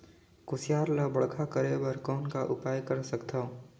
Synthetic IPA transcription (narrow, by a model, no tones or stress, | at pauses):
kʊsɪjaːɾləbəɽkʰakəɾebəɾkɔːnkaʔʊpaːjkəɾsəkt̪ʰa